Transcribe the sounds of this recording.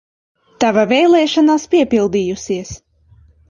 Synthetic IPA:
t̪avavʲɛjlˠɛːʃanaːspiɛpilˠd̪iːjusiɛs

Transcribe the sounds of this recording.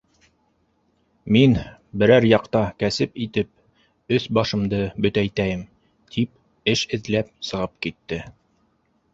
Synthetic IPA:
min | bɘ̆ɾæɾjɑqt̪ɑkæsɘpit̪ɘp̚ | ɵθbɑʃɤ̆md̪ɤbɵ̆t̪æjt̪æjɘm | t̪ʰip̚ | ɘʃɘ̆ðlæp̚sɤ̆ʁɤp̚kit̪ːɘ

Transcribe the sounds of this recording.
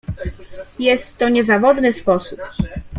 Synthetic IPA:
jɛst̪ːɔɲɛzavɔd̪nɘspɔsup

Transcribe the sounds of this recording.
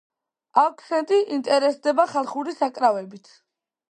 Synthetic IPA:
akʰʼsɛnt̪ʼiʔint̪ʼɛɾɛsd̪ɛbaχalˠχuɾisakʼɾavɛbit̪ʰ

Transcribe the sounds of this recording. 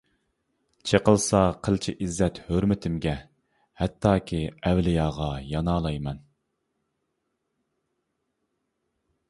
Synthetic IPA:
t͡ʃʰeqəlˠsɑqʰəlt͡ʃʰiʔizːɛt̪høɾmɪt̪ʰɪmɡʲɛ | hɛt̪ʰːɑːkʲʰiɛwlɪjɑːʁɑjɑnɑːlˠɑjmɛn

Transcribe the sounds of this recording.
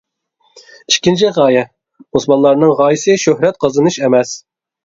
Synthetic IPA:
iʃkʲint͡ʃʰiʁɑːjɛ | osmɑnlˠɑɾnɨŋʁɑːjisɨʃøhɾɛt̪̚qʰɑzɨnɨʃɛmɛs

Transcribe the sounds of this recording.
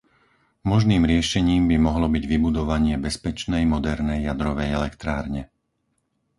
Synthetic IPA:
mɔʒniːmɾɪɛʃɛɲiːmbimɔɦlɔbiɟʋibud̪ɔʋaɲɪɛbɛspɛt͡ʃnɛjmɔd̪ɛɾnɛjːad̪ɾɔʋɛjɛlɛkt̪ɾaːɾɲɛ

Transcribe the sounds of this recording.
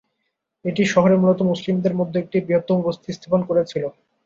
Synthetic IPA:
eʈiʃɔɦoɾemulot̪omuslimd̪eɾmod̪ʱːeek̚ʈibɾiɦot̪ːoubost̪ʰist̪ʰaponkoɾet͡ɕʰilo

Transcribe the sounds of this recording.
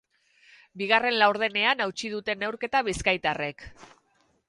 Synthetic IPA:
biɣ̞are̞nlawɾð̞e̞ne̞anawt͡ʃið̞ut̪e̞ne̞wɾke̞t̪aβiskajt̪are̞k

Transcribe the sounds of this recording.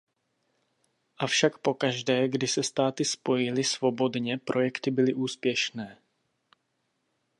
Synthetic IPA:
ʔafʃakpo̞kaʒdɛːɡdɪsɛst̪aːt̪ɪspo̞jɪlɪsvo̞bo̞dɲɛpɾʔo̞jɛkt̪ɪbɪlɪʔuːspjɛʃnɛː

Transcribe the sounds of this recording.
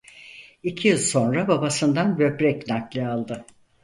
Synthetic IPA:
icʰijilˠso̞nɾababasɯnd̪anbø̞pɾɛcnaklˠɯalˠd̪ɯ

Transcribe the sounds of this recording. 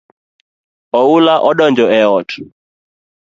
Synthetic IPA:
ɔulaʔɔɗɔnd͡ʒɔɛɔtʰ

